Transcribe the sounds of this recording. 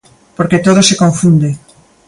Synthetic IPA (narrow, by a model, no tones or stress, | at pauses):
poɾket̪oð̞osekoɱfund̪e